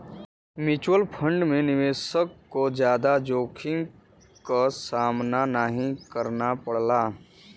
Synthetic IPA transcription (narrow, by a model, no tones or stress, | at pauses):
mɪt͡ʃwəlpʰə̃ɳɖmẽnɪʋeːsəkːod͡ʒjaːd̪ad͡ʒoːkʰɪ̃ŋ | kasaːmnanaɦĩkəɾnapɐɽ̤laː